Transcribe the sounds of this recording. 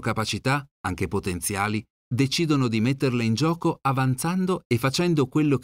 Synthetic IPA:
kapat͡ʃit̪aaŋk̟epot̪ent̪sjaːli | d̪et͡ʃiːd̪onod̪imet̪ːerleind͡ʒɔːkoavant̪sand̪oefːat͡ʃɛnd̪okwelːok

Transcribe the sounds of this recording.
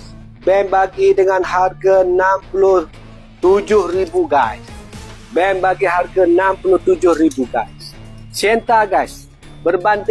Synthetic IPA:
bɛnbaɡidəŋanharɡanampulʊh | t̪ud͡ʒʊhribuɡais | bɛnbaɡiɦarɡanampulʊht̪ud͡ʒʊhribuɡaissiɛnt̪aɡajs | bərbant̪

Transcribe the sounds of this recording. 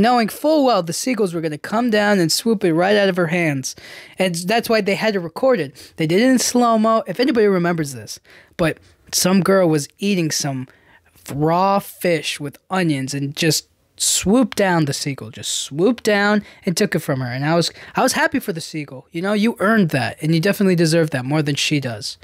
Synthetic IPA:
noʊɪ̃ŋfʊlˠwɛlˠðɨsik̬l̩ˠzwə˞ɡʌnɨkʰʌ̃mdãʊ̃nɨ̃nswupɨt̚ɹaɪɾaʊɾʌv̥ə˞ɦæ̃ndz̥ɨ̃nðætswaɪðeɪɨɾɨɹɨkʰɔɹɾɨd̪̚ðeɪdɪɾ̃ⁿnslõʊ̃moʊʔɨfɛnibɑɾiɹɨmɛ̃mbə˞zðɪs | b̥ʌt̚ | sʌ̃mɡɜ˞lˠwʌziɾɪ̃ŋsʌ̃m | ɹɔfɪʃwɨðʌ̃njɨ̃nzɨ̃nd͡ʒʌst̚ | swup̚d̥ãʊ̃nðɨsikl̩ˠd͡ʒʌstswup̚d̥ãʊ̃nɨ̃ntʰʊkɨtfɹʌ̃mə˞ɨ̃naɪwʌz̥aɪwʌz̥hæpifə˞ðɨsikl̩ˠjɨnoʊjɨʔɜ̃˞nðæ̰t̚ɨ̃njɨdɛfənɨtˡlidɨzɜ˞vðɨt̚mɔɹðɨ̃nʃidʌz̥

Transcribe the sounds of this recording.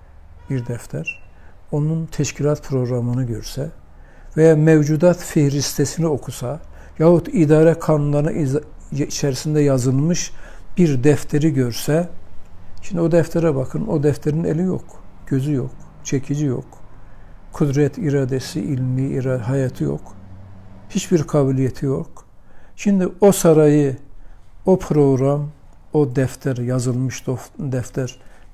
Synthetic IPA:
b̥iɾd̪ɛft̪ʰæɾ̥ | o̞nunt̪ʰɛʃcʰilʲat̪pʰɾo̞ɡɾamɯnɯɟøɾsɛ | vejamɛvd͡ʒud̪at̪fɛhɾist̪ʰesinio̞kʰusa | jaɦut̪ʰid̪aːɾɛkʰanunlˠaɾnɯ̰ʔit͡ʃʰɛɾisind̪ɛjazɯlˠmɯʃb̥iɾd̪ɛft̪ʰeɾiɟøɾsɛ | ʃind̪io̞d̪ɛft̪ʰɛɾɛbakʰɯno̞d̪ɛft̪ʰeɾinḛlʲijo̞̰kɟ̥ø̞zyjo̞̰kt͡ʃʰecʰid͡ʒijo̞̰k | kʰud̪ɾɛt̪ʰiɾaːd̪esiʔilʲmiɾaɦajat̪ʰijo̰k | hit͡ʃbiɾkʰaːbilʲijet̪ʰijokʃind̪io̞saɾajɯ | o̞pʰɾo̞ɡɾam | o̞d̪ɛft̪ʰæɾjazɯlˠmɯʃd̪ofd̪ɛft̪ʰæɾ

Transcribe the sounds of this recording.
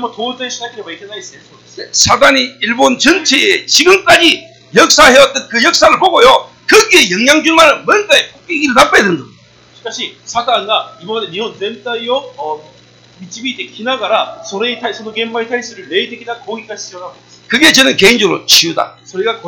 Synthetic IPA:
mʌtodɯɕʰid͡ʑakʰiɾebaik͈ʰenaiseso | nḛsʰadaɲiiɭbont͡ɕʌnt͡ɕʰeet͡ɕiɡɯmk͈ad͡ʑi | jʌk̚s͈aɦeʌt̚t͈ɯnkɯjʌk̚s͈aɾɯɭpoɡojo | kɯɡiejʌŋɲaŋd͡ʑumaɾɯnmʌnɡ͈aepʰok̚k͈iɡiɾɯnap͈ʰajadendḁ | k͈aɕʰisʰakaːnɡaibʌɡʌneniontemt͈aijo | mit͡ɕ͈ʰibit͈ekinaɡaɾasʰoɾeitʰasʰodoɡembaitʰaɾis͈ɯɾɯɭneideɡidakʌɡikaiionaɡo | kɯɡe̞t͡ɕʌnɯnke̞ind͡ʑʌɡɯɾo̰t͡ɕʰiuda̰sʰoɾiɡak

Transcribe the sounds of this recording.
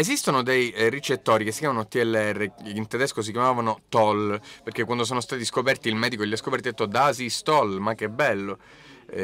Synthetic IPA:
ezist̪onod̪ejrit͡ʃet̪ːoːɾikesːikjaːmanot̪iɛlːeɛrːeint̪ed̪ɛskos̬ikjamaːvanot̪ɔlperk̟ekːwand̪os̬oːnost̪aːt̪iskopɛrt̪iːlmɛːd̪ikoʎiaskopɛɾrt̪id̪et̪ːod̪asist̪ɔlmak̟ːebːɛlːo

